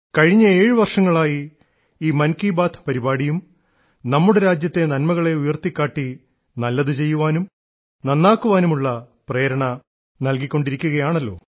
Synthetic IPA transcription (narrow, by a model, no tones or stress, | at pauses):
kɐɻiɲːɐeːɻɨʋɐrʂɐŋːɐɭaːji | iːmɐnkiːbaːt̪ʰpɐɾibaːɽijum | nɐmːuɽe̞ɾaːd͡ʑjɐt̪ːe̞nɐnmɐɣɐɭe̞ujɐrt̪ikʲːaːʈːi | nɐlːɐðɨt͡ɕe̞jːuʋaːnum | nɐnːaːkːuʋaːnumuɭːɐ | pre̞ːɾɐɳɐ | nɐlkikʲːo̞ɳɖiɾikʲːuɣɐjaːɳɐlːo̞ː